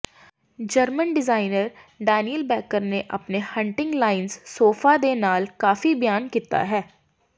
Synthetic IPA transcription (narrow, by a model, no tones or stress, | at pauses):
d͡ʒəɾmənɖɪzaːɪnəɾɖaːnijəlbɛːkəɾneʔəpnehə̃ɳʈɪ̃ŋɡlaːɪnzsoːfʰad̪eːnaːlkaːfibɪjaːnkiːt̪a̰ɦɛː